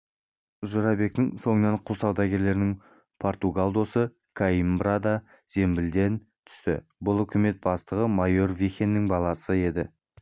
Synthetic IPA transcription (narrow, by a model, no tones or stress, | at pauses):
ʒʊɾɑbe̞k̚t̪ɪŋso̞nneɴqʰʊlˠsɑwd̪ɑɡʲe̞ɾle̞ɾɪnɪŋ | pʰo̞rt̪uɡalˠd̪o̞sə | kʰaimbrad̪ɑ | z̥e̞mbɪld̪e̞n | t̪ʰʏ̥st̪ɪ̰bʊlˠʏkʲʰɪme̞t̪̚bɑst̪əʁəmɑjo̞rvixʲe̞nːɪŋbɑlˠɑsəe̞d̪ɪ